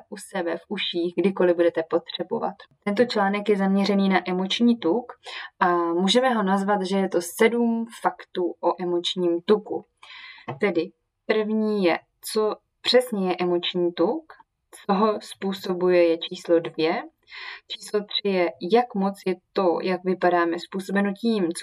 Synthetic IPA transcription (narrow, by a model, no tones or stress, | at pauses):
ʔusɛbɛfʔuʃiːxɡdɪko̞lɪbudɛt̪ɛpo̞t̪r̝̥ɛbo̰va̰t̪t̪ɛnt̪̬o̞t͡ʃlaːnɛkjɛzamɲɛr̝ɛniːnaʔɛmo̞t͡ʃɲiːt̪ukʔamuːʒɛmɛɦo̞nazvat̪ʒɛjɛt̪o̞sɛdumfakt̪uːʔoʔɛmo̞t͡ʃɲiːmt̪ukṵ | t̪ɛdɪ | pr̩vɲiːjɛ | t͡so̞ | pr̝̥ɛsɲɛjɛʔɛmo̞t͡ʃɲiːt̪uk | t͡soɦospuːso̞bujɛjɛt͡ʃiːslo̞dvjɛ | t͡ʃiːslo̞t̪r̝̥ɪjɛjakmo̞t͡sjɛt̪o̞jakvɪpadaːmɛspuːso̞bɛno̞ciːmt͡s